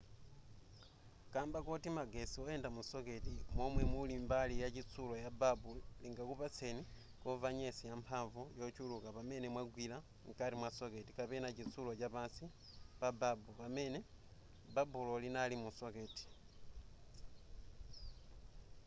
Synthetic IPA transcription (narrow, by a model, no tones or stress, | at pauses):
kaːmbakotimaɡesiwojeːndamusoke̞timwomwemwulimbalijacit͡sulojababuliŋɡakupat͡seni | kovaɲesijampʰaɱvujot͡ʃulukapame̞nemwaɡwila | ŋkaɾimwaso̞ke̞tikaβenacit͡sulocaβaːnsi | pababuβame̞ne | babulolinalimusoke̞ti̥